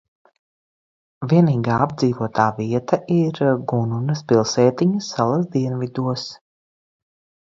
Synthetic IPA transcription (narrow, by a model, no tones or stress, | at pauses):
vʲiɛniːɡaːab̚d̪ziːvuɔt̪aːviɛt̪aʔiɾɡununɐspilˠsɛːt̪iɲɐsːalˠas̬d̪iɛnvid̪uɔs